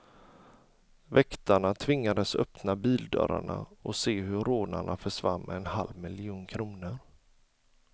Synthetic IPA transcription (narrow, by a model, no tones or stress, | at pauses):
vɛkt̪aɳat̪ʰvɪŋːad̪əsœpnabiːld̪œ̰ːɾa̰ɳa̰ɔseːɦɵɾoːna̰ɳafœʂvamːɛnhalvmɪlɪuːnkʰɾuːnəɾ